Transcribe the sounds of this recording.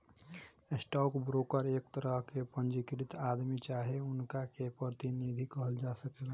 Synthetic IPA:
esʈɔːkbɾoːkəɾeːkt̪əɾəɦkepə̃nd͡ʒikɾɪt̪aːd̪mit͡ʃaːɦeʊnkakepɾət̪inid̪ʱikəɦəld͡ʒaːsəkla

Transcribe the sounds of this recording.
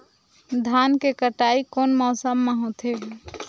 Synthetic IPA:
d̪ʱankekəʈaikonmɔːsəmːeɦot̪ʰe

